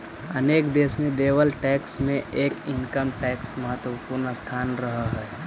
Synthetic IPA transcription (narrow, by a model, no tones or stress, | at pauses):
əneːkd̪eːsmẽd̪eːʋəlʈɛːksmẽʔeːkɪŋkəmʈɛːksməɦət̪wəpuːɾnəst̪ʰaːnɾəɦəɦɛː